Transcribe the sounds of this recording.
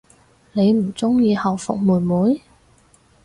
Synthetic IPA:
ne˨˧jm̩˨˩t͡sʊ˥ŋjiː˧hɐ˨˩wfʊ̰˨k̚muː˨˩muː˨˥j

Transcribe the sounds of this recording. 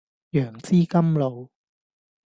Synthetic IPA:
jœː˨˩ŋt͡siː˥kɐ˥mlo˨˧w

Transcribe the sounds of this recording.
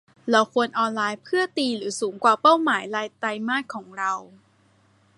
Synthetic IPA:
la˦˥wkʰu˧ənʔɔː˧nlaː˧jpʰɯ˥˩ɐt̪iː˧ɾɯː˩˦suː˩˦ŋkwaː˨˩pa˥˩wmaː˩˦jlaː˧jt̪a˧jmaː˥˩t̪̚kʰɔː˩˦ŋɾa˧w

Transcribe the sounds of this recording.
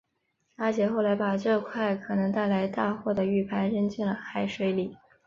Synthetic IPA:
a˥t͡ɕjɛ˧˥xo˥˩ʊla˧˥ɪpa˨˩ʈ͡ʂɤ˥˧kʰwa˥˩ɪkʰɤ˨˩nɤ˧˥ŋt̪a˥˩ɪla˧˥ɪt̪a˥˧xwɔ˥˩d̪ə˩y˥˩pʰa˧˥ɪɻə˥ŋt͡ɕi˥˩ŋlə˩xa˧˥˩ɪʂwe˧˥ɪli˨˩˦

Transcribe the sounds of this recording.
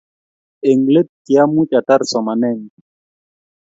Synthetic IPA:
e˨ŋle˦t̚ti˨a˦mu˦t͡ʃa˨ta˦ɾsɔ˨ma˨nɛ˦˨n

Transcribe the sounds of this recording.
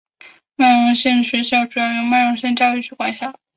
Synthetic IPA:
ma˥˩ɪɻʊ˥ŋɕi˥˩ŋɕɥɛ˧˥ɕɑ˥˩ʊʈ͡ʂu˨˩jɑ˥˩ʊjʊ˧˥ŋma˥˩ɪɻʊ˧˥ŋɕɛ˥˧nt͡ɕjɑ˥˧ʊy˥˧ʈ͡ʂʰu˥kwa̰˨˩nɕjɑ˥˩

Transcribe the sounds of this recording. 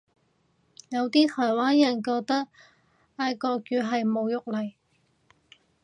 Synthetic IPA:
jɐ˨˧wt̪iː˥t̪ʰɔː˨˩jwaː˥njɐ˨˩nkɔː˧k̚t̪ɐ˥k̚ | aː˧jkɔː˧kjyː˨˧ɦɐ˨jmo˨˧wjʊ˥k̚lɐ˨˩j

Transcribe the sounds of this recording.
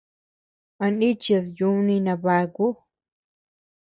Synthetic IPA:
ã˧nĩ˦t͡ʃa˧sju˧˦nĩ˧nã˧βa˧ku˦

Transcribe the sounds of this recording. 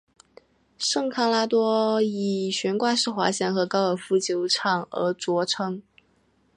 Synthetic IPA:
ʂɤ˥˩ŋkʰa˥la˥t̪wɔ˥i˨˩ɕɥɛ˧˥nkwa˥˧ʂɻ̩˥˩xwa̰˧˥ɕjɛ˧˥nxɤ˧˥kɑ˥ʊə˨˩fu˧˥t͡ɕjo˧˥ʊʈ͡ʂʰɑ˨˩ŋə̰˧˥t͡swɔ˧˥ʈ͡ʂʰɤ˥ŋ

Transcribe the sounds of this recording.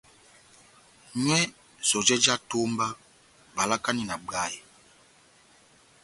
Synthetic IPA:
ɲɛ˦ | sɔ˨d͡ʒɛ˦d͡ʒa˦to˦mba˦ | ba˨la˦ka˦ni˦˨na˨ɡ͡ba˦˨ji˨

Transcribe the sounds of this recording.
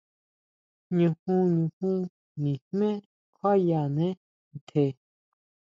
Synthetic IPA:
ɲũ˨hũ˦˧ɲũ˨hũ˦ | nĩ˨hmɛ̃˦ | kʰa˦ja˨nɛ̃˦˨ | t̪ʰe˨

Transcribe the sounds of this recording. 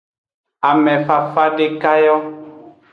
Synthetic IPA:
a˨mɛ̃˨fa˨fa˦ɖe˦ka˦jɔ˦

